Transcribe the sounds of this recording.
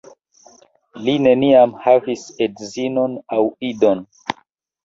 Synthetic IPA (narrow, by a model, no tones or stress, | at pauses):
line̞niamhavisedzinonawido̞n